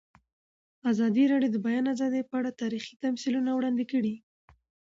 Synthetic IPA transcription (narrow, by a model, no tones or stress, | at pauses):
azɑd̪iɾɑɖijod̪əbajɑnazɑd̪epəaɽat̪ɑɾixi̥t̪amsilunawɽɑnd̪ɪkəɽi